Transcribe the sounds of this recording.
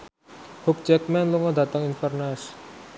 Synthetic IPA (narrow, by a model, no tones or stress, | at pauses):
huk̚t͡ʃɛk̚mɛnluŋɔd̪at̪əŋinfərnas